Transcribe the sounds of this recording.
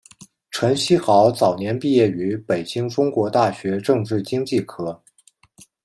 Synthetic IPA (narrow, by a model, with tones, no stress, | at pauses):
ʈ͡ʂʰə˧˥nɕi˥xɑ˧˥ʊt͡sɑ˨˩ʊnjɛ˧˥npi˥˧jɛ˥˩y˧˥pe˨˩ɪt͡ɕi˥ŋʈ͡ʂʊ˥ŋkwɔ˧˥t̪a˥˩ɕɥɛ˧˥ʈ͡ʂɤ˥˧ŋʈ͡ʂɻ̩˥˩t͡ɕi˥ŋt͡ɕi˥˩kʰɤ˥